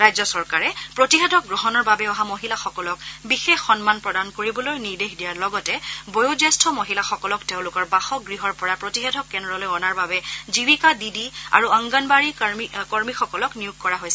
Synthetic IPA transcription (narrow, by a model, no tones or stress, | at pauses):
ɹajzɔsɔɹkaɹɛpɹotiɦedʱɔk̚ɡɹɔɦɔnɔɹbabɛɔɦamoɦilaxɔkɔlɔkbixexːɔnmanpɹɔdankoɹibɔlojniɹdexdijaɹlɔɡɔtɛbojozastʰɔmoɦilaxɔkɔlɔkteʊ̃lʊkɔɹbaxɔɡɹiɦɔɹpɔɹapɹotixedʱɔkːɛndɹɔlojɔnaɹbabɛzibikadidia̰ɹuaŋɡanbaɹikɔɹmixɔkɔlɔknijuɡ̚kɔɹaɦojsɛ